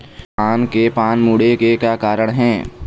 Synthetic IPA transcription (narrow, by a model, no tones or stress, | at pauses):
aːnkepaːnmuːɽekekjaːkaːɾəɽ̃ɦɛ̃ː